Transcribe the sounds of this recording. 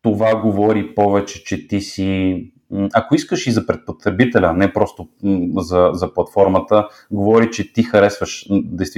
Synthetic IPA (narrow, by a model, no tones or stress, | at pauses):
t̪ovaɡovɔɾipɔvɛt͡ʃɛ̥t͡ʃɛt̪isi | akoiskəʃizɐpɾɛt̪̚pot̪ɾɛbit̪ɛlʲənɛpɾɔst̪ozɐzɐplˠɐt̪fɔɾmət̪ə | ɡovɔɾit͡ʃɛt̪ixɐɾɛsvəʃd̪ɛjst̪